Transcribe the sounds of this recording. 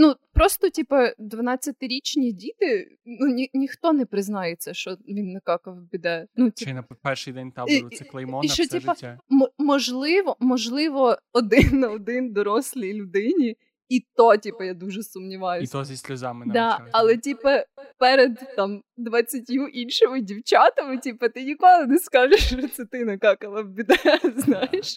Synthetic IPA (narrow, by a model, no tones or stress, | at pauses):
nupɾɔst̪ɔtʲipɐd̪ʋɐnɑt͡sʲːɐt̪ɪɾʲit͡ʃnʲidʲit̪ɪ | nunʲinʲixt̪ɔnɛpɾɪznɑjet͡sʲːɐʃt͡ʃɔʋʲinːɐkɑkɐʋbʲɪd̪ɛnutʲinɐpɛrʃɪd̪ɛnʲt̪aɛlˠɐɔiʃʃt͡ʃɔt̪ʲipɐmmɔʒlˠɪʋɔmɔʒlˠɪʋɔɔd̪ɪnːɐɔd̪ɪnd̪ɔɾɔsʲlʲijlʲʊd̪ɪnʲi | it̪ɔtʲipɐjad̪uʒɛsʊmnʲiʋɑjʊsʲɔisʲlʲɐzamd̪ɑɐlˠɛtʲipɐpɛɾed̪t̪ɑmd̪ʋɐt͡sʲːɐtʲjuʔinʲʃɔmɪdʲiwt͡ʃɑt̪ɐmɪtʲipɐt̪ɪnʲikɔlˠɪneskɑʒeʃɔt̪sɛt̪ɪnɐkɑkɐlˠɐbʲid̪ɛznɑjeʃ